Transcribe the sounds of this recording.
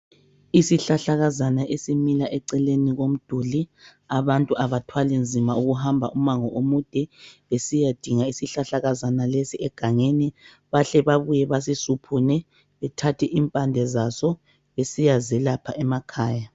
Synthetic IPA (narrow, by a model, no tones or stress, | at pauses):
isiɬaɬaɣazanaʔesimilaʔɛǀɛleniɣom̩d̥ʱuli | aβantʼuʔaβatʰwalind͡zʱimauɣuɦambʱaʔumaŋɔʔomud̥ʱɛβesijad̥ʱiŋaisiɬaɬaɣazanalesiɛɡ̥ʱaŋeni | βaɬɛβaβujɛβas̬isupʰunɛ | βɛtʰatʰiʔimpʼandʱɛzasɔ | esijazɛlapʰaʔɛmakʰaːja